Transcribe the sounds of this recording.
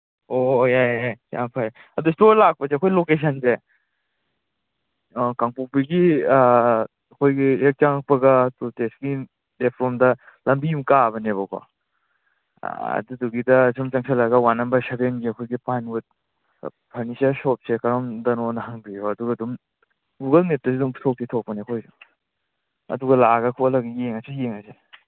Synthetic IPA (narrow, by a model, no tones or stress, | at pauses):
ojajasa̰mpʰaj | ɐdustoɾlak̚pɐseɐkʰojlokes̬ʰɐnse | kaŋpuk̚piɡi | ɐkʰojɡiek̚t͡ʃaŋak̚pɐɡɐtutesɡi | depʰɾɔmdɐ | lɐmbimkabɐneβakʰa̰ | ɐ̰duduɡidɐsʰumt͡ʃaŋsʰalaɡɐwanɐmbɐsabenɡiɐkʰojɡipanut̚ | pʰɐɾnisasɔp̚sekɐɾɔmdɐnɔnɐɦaŋbijoɐduɡɐdum | ɡuɡɐlmet̚tɐs̬iduŋsɔk̚sitʰɔk̚pɐniɐkʰojdɔ | ɐ̰duɡɐlaɡɐkʰolɐɡijeŋasejeŋase